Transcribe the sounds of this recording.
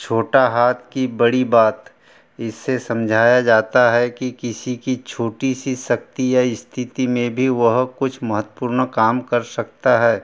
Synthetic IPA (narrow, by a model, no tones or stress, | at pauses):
t͡ʃʰoːʈaɦaːt̪̚ʰkibɐɽibaːt̪ | ɪsːesɐ̃md͡ʒʱaːjad͡ʒaːt̪aɦɛkikɪsikit͡ʃʰoːʈisisɐk̚t̪ijaɪst̪ʰɪt̪imẽbʱiʋɐɦkʊt͡ʃʰmɐɦət̪wəpuːɾnkaːmkɐɾsɐk̚t̪aɦɛː